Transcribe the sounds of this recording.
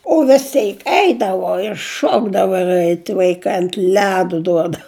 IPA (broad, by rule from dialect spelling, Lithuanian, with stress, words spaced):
oː ʋʲɪs ˈtʲɛɪk ˈɛɪdɐʋoː ɪr ˈʃoːɡdɐʋoː ɪr ˈɛɪt ʋɐɪˈkɐɪ ɐnt ˈlʲæːdʊ ˈduɔdɐʊ